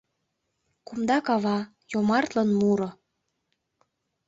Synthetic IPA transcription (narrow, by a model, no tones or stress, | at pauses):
kumd̪ɑkɑβɑ | jomɑrt̪lənmuɾŏ